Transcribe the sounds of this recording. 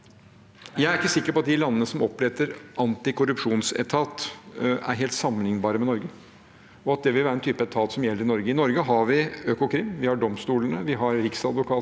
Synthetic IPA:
jæɪæɾɪkːəsɪkːəɾpɔɑt̪̚d̪ɪlɑnːənəsɔmɔplɛt̪əɾʔɑnt̪ɪkʰʊɾʉpʂuːnsɛ̰t̪ʰɑːt̪æ̰ɾɦeːlt̪sɑmənɪŋnbɑːɾəmɛnɔɾɡə | ɔɑt̪̚d̪ɛʋɪlʋæːɾɛnt̪ʰyːpəɛt̪ʰɑːt̪sɔmjɛlːəɾɪnɔɾɡəɪnɔɾɡəɦɑɾʋɪøːkʊkʰɾɪmːʋɪhɑɖɔmst̪uːlənəʋɪɦɑɾɾɪksɑd̪ʋʊkʰɑː

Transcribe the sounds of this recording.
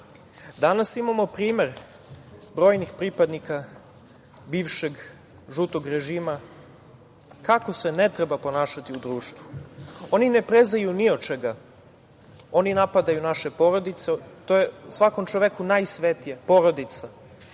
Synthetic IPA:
d̪anasimamo̞pɾiːmeɾ | bɾo̞ːjnixpɾipad̪nika | biːʋʃe̞ɡ | ʒut̪oɡɾe̞ʒiːma | kako̞se̞ne̞t̪ɾebapo̞naːʃat̪iud̪ɾuːʃt̪ʋuo̞ninepɾeznajuniot͡ʃeɡa | o̞ninapad̪ajunaʃe̞po̞ɾo̞d̪it̪set̪ojeusʋako̞mt͡ʃoʋekunajsʋet̪ijepo̞ɾo̞d̪it̪sa

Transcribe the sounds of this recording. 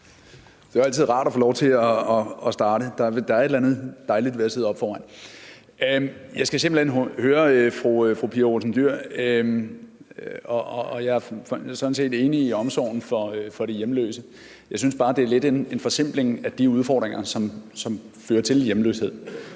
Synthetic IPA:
d̥e̝æɐæl̰t͡sʰið̰ˠʁɑ̰̈ːɾ̥ɒfoːlɒʊt͡sʰe̝lɒ̽ːsd̥ɑ̈ːɾəd̥ɑ̈ed̥ɑ̈æɐe̝dlænð̩ˠd̥ɑ̈ɪlid̥ʋeɐseðˠɒb̥fɒːʋæɪ̰n | jɑ̈ɪsɡ̥æse̝mb̥l̩henhøːɐfʁufʁupʰiːɐʁosn̩d̥yɐ̰m | ɒɒ̽ːjɑ̈ɪæɐsɒ̥̽n̩se̝̰ːd̥e̝ːniːɒ̽msɒʊ̰n̩fɒ̽fɒ̽ɾe̝jemlø̰ːsə | jɑ̈ɪsynsb̥ɑ̈ːd̥e̝æɐled̥e̝ne̝nfɒ̽sem̰b̥le̝ŋæd̥iuðˠfɒ̰ːd̥ʁeŋʔɐsɒ̽msɒ̽m | føːɐt͡sʰe̝ljemlø̰ːshe̝ð̰ˠ

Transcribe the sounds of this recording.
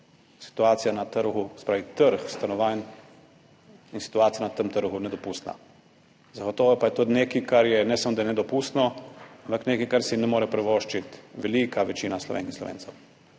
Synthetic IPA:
si̥t̪uaːt̪sijanat̪əɾɣusɛ̥pɾaːʋit̪əɾxst̪anɔʋaːn | insi̥t̪uaːt̪sijanat̪əmt̪əɾɣunɛd̪ɔpuːst̪na̰ | zaɡɔt̪oːʋɔpajɛt̪oːd̪neːkikaɾjɛnɛsamɔd̪ajɛnɛd̪ɔpuːst̪nɔampakneːkikaɾsinɛmoːɾɛpɾɛʋoːʃt͡ʃit̪ʋɛlikaʋɛt͡ʃiːnaslɔ̰ʋḛːnkinslɔ̰ʋḛːnt̪sɛw

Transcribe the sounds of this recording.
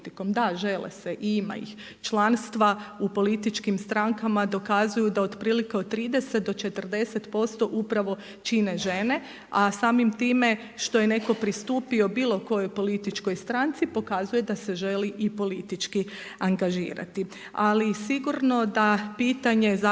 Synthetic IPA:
t̪iko̞md̪aʒe̞lḛse̞ʔiima̰ḭx | t͡ʃlˠaːnst̪ʋaupo̞lit̪it͡ʃkimst̪ɾaŋkamad̪o̞kazujud̪aod̪pɾiːlikeod̪̚t̪ːɾiːd̪e̞set̪̚d̪o̞t͡ʃe̞t̪ərd̪e̞se̞t̪po̞st̪o̞ʔupɾaʋo̞ | t͡ʃine̞ʒe̞ne̞ | asaːmimt̪iːme̞ | ʃt̪o̞je̞ne̞ko̞pɾist̪uːpio̞biːlˠo̞ko̞jo̞jpo̞lit̪it͡ʃko̞jst̪ɾant̪sipo̞kazuje̞d̪ase̞ʒe̞liʔipo̞lit̪it͡ʃki | aŋɡaʒḭːɾa̰t̪i | alisiɡuɾno̞d̪apiːt̪aɲe̞za

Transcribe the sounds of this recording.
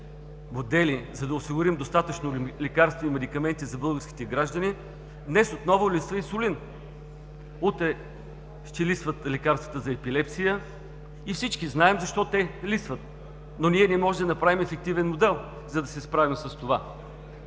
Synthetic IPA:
mod̪ɛlizɐd̪ɐʊsiɡʊɾimd̪ost̪at̪ət͡ʃnolɛkaɾst̪voimɛd̪ikɐmɛnt̪izɐbɤlˠɡəɾski̥t̪ɛɡɾaʒd̪ɐni | d̪nɛsot̪nɔvʊlisvəisʊlin | ut̪ɾɛ | ʃt̪ɛlisvət̪lɛkaɾst̪vət̪əzɐɛpilɛpsijə | ifsit͡ʃkiznaɛmzɐʃt̪ɔt̪ɛlisvət̪ | noniɛnɛmɔʒɛd̪ɐnɐpɾavʲimɛfɛk̚t̪ivɛnmod̪ɛlˠ | zɐd̪ɐsɛspɾavimsɐst̪ova

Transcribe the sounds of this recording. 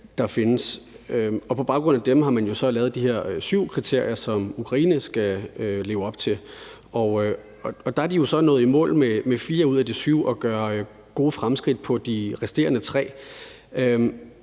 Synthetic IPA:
d̥ɑ̈fe̝nəs | øɒ̽pʰɒ̽b̥ɑ̈ʊɡ̥ʁɔ̽n̰æd̥emɦɑ̈mænjo̝sɒ̽lɛːðˠd̥ihe̝ɐ̰syʊ̰kʰʁit͡sʰe̝ɐ̰jɐsɒ̽mukʰʁɑ̈iːnəsɡ̥æøle̝ːʊɒ̽b̥̚t͡sʰe̝l | ʔɒ | ɒɒ̽d̥ɑ̈æɐd̥ijo̝sɒ̽nɔ̽ːð̩ˠimɔ̰̽ːlmemefiːɐuð̞̰ˠæd̥isyʊɒ̽ɡ̥ɶɐ | ɡ̥o̝ːfʁamsɡ̥ʁid̥̚pʰɒ̽d̥iʁɛsd̥e̝̰ːɐnət͡sʰʁɛ̰ː | øm

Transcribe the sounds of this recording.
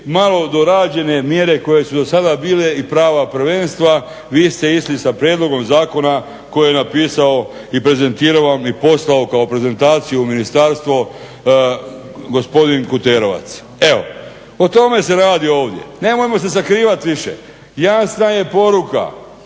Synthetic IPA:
malo̞d̪o̞ɾaːd͡ʒe̞ne̞mje̞ɾe̞ko̞je̞sud̪o̞sad̪abiːle̞ipɾaːʋapɾ̩ʋe̞nst̪ʋa | ʋiːst̪e̞islisapɾjed̪lˠo̞ɡo̞mzaːko̞na | ko̞jijenapiːsao̞ | ipɾe̞ze̞nt̪iːɾaʋamipo̞slaokao̞pɾe̞ze̞nt̪aːt̪sijuminist̪aɾst̪ʋo̞ | ɡo̞spo̞d̪inkut̪eːɾo̞ʋa̰t̪s | e̞o̞̰ | ot̪o̞me̞se̞ɾaːd̪io̞ːʋd̪je̞̰ne̞mojemo̞se̞s̬akɾiːʋat̪ʋiʃḛ | jasnaje̞po̞ɾuka̰

